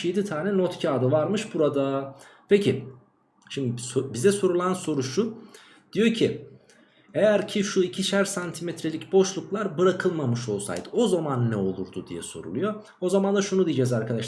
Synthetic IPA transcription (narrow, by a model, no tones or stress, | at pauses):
jed̪it̪ʰaːnɛnot̪cʰaːd̪avaɾmɯʃbuɾad̪apʰecʰi | ʃimd̪isobizɛso̞ɾulˠanso̞ɾuʃu | d̪̥ijo̞cʰi | ejæɾcʰiʃuicʰiʃæɾsant̪ʰimet̪ʰɾelʲicbo̞ʃlˠuklˠaɾbɯɾakʰɯlˠmamɯʃo̞lˠsa̰jd̪ɯo̞zamanːɛo̞lˠuɾd̪ud̪ḭjɛ̰so̞̰ɾṵlˠujo̞ | ozamand̪aʃunud̪ijid͡ʒɛzaɾkad̪aʃ